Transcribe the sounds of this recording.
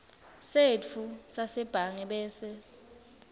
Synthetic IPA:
set͡fʰusasɛb̥ʱaŋɛɓɛːsɛ

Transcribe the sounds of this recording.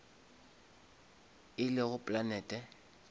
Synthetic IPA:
ɪlɪɣʊpʼlanɛːtʼɛ

